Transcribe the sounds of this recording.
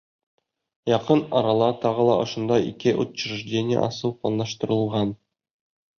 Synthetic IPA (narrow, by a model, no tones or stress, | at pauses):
jɑqɤnɒɾɑlˠɑt̪ɒʁɤ̆lˠɑ̰ʔŏʃŏnd̪ɑḭkɘʔut̪ɕ̆ɾɘ̆ʒdʲenʲɪjə̰ʔɒsɤlˠplˠɑnɑʃt̪ɤ̆ɾɤ̆lˠʁɑn